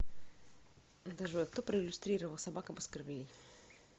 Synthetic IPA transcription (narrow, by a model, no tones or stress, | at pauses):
d̪aʐɨvok̚t̪opɾəɪlʲʊst̪ɾʲiɾəvəlˠsɐbakəɐbɨskərvʲelʲij